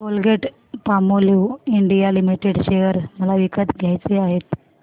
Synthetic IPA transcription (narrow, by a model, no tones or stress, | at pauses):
bolɡʱeʈ | pamoleuiɳɖijalimiʈeɽɕejəɾməlaʋikət̪ɡʱjajt͡seaɦet̪